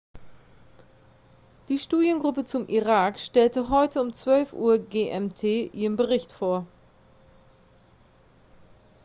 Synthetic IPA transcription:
d̥iːʃtuːdjənɡʁʊpət͡sʊmʔiʁaːkʃtɛltəɦɔʏtʰəʊmt͡sv̥œlfʔṵːɐɡeːʔɛmtʰeːʔiːʁənbəʁɪçtfoːɐ

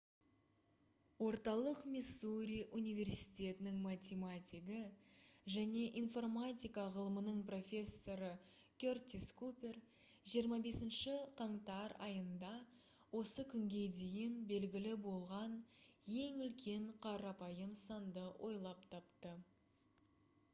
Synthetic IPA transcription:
wo̞ɾt̪ɑlˠəqmʲisːuɾʲijʔunijvʲe̞rsit̪ʲe̞t̪ɪnɪŋmat̪ʲemat̪ʲiɡəʒæne̞ʔinfo̞rmat̪ʲijkɑʁəlˠəmənəɴpro̞fʲe̞sːo̞ɾə | kʲert̪ʲiskupʲe̞r | ʒijəɾmɑbe̞sɪnʃɪqʰɑɴt̪ɑɾɑ̰jənd̪ɑ | wo̞səkʲʰʏŋɡʲe̞d̪e̞jɪnbe̞lɡʲɪlɪbo̞lˠʁɑnje̞ŋʏlkʲʰe̞ɴqʰɑɾɑpɑjəmsɑnd̪əwʔo̞jlˠɑpt̪ʰɑpt̪ə

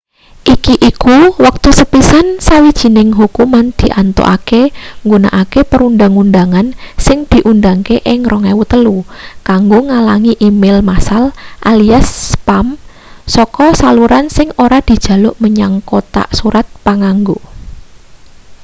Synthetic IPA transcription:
ʔikiʔikuwak̚t̪usəpisansawid̥ʒ̥i̤nɪŋɦukumand̪̥i̤ʔant̪o̰ʔa̰keŋɡuna̰ʔakepəɾunda̤ŋundaŋansɪŋd̪̥i̤ʔund̪aŋkeʔɪŋrɔŋɛwut̪əlukaŋɡoŋalaŋiʔimɪlmasalʔaliasːpam | sɔkɔsaluɾansɪŋoɾad̪̥i̤d̥ʒ̥ä̤lʊʔməɲaŋkot̪a̰ʔsuɾat̪̚paŋaŋɡo

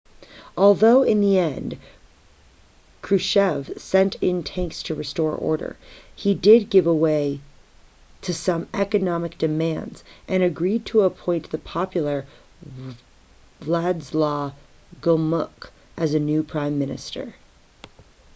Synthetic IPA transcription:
ɔlˠðoʊɪ̃nðiɛ̃nd̥ | kʰɹ̥ʉʃɛv̥sɛ̃ntʰɪ̃ntʰæ̃ŋkstʰɨɹɨstɔɹʔɔ̰ɹɾə̰˞idɪd̚ɡɪvəweɪ | ɾʰɨsʌ̃mɛkɨnɑmɨk̚d̥ɨmæ̃ndz̥ʔɨ̃ñɨɡɹid̚tʰəəpʰɔ̃ɪ̃nðɨpʰɑpjl̩ˠə˞ | lædzlɔ | ɡʊlˠmʊk | ʔɨzɨnʉpʰɹ̥ãɪ̃mːɪ̃nɨ̰stʰə̰˞

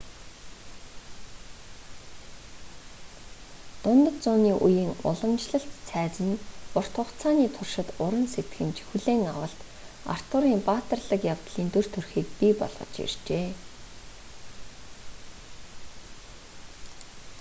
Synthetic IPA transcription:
t̪ʊnt̪ə̆t̪t͡sʊːniːʔujiːŋʊ̰ɮə̆mt͡ɕɮə̆ɬt̪t͡sʰæːt͡sɘ̆npʊr̥t̪ʰʊχt͡sʰaːniːt̪ʰʊrʃɪ̆t̪ʊɾə̆nset̪ɡɘ̆mt͡ɕʰi̥xŭɮeːŋawə̆ɬt̪ | a̰r̥t̪ʊɾiːmpaːt̪ə̆rɮə̆kjawt̪ɮiːnt̪ɵr̥t̪ʰɵrxiːk̚pipɔ̰ɮʁ̥ɞ̆t͡ɕḭrt͡ɕeː

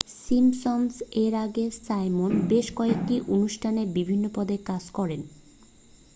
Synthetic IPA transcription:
simsonseɾaɡesajmonbeʃkɔek̚ʈiʔonuʃʈʰanebibʱinːopɔd̪ekad͡ʑkɔɾen

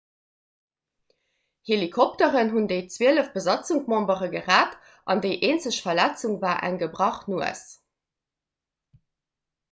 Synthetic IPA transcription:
helikʰɔp̚təʁənɦundəɪt͡sweələfb̥əzɑt͡suŋkmɑ̃mbəʁəɡəʁaːt | ʔɑndəɪʔeːnt͡səɕfɐlæt͡suŋvaːʔæ̰ŋɡəbʁɑχnuə̰s

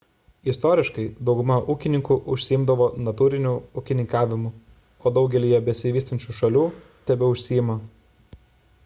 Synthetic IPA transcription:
ɪst̪ɔːɾʲɪʃkɐɪd̪ɒʊɡʊmɐʔuːkʲɪnʲɪŋkuːʔʊʃʲsʲɪjɪmd̪ɐʋoːnɐt̪uːɾʲɪnʲuʊkʲɪnʲɪŋkɑːʋʲɪmʊ | oːd̪ɒʊɡʲɛlʲiːjɛbʲɛsʲɪʋʲiːst̪ɐnʲt͡ʃʲuːʃɐlʲuː | t̪ʲɛbʲɛʊʃʲsʲɪjɪmɐ

